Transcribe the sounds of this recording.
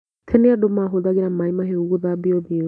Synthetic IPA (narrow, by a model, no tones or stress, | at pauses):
tʰɛneadomaɦoðaɣeɾamaimaɦeuɣoðabiɔbi